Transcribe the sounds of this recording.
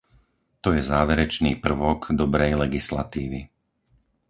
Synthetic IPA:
t̪ɔjɛzaːʋɛɾɛt͡ʃnḭːpr̩ʋɔɡd̪ɔbɾɛjlɛɡislat̪iːʋi

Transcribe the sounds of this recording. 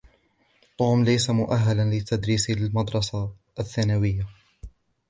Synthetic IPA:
t̪ˤuːmlajsamʊʔaɦːalanlɪt̪ʰad̪ɾiːsalmɑd̪ɾˤɑsa | ʔθːaːnawɪjːa

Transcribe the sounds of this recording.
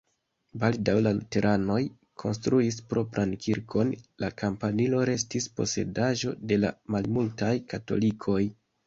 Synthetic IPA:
baldawlalute̞ɾʔano̞j | kʰo̞̰nstɾuispɾo̞pɾankʰiɾkʰo̞nlakampanilo̞ɾe̞stispo̞̰se̞̰daʒo̞de̞la̰malmultajkato̞̰likʰo̞j

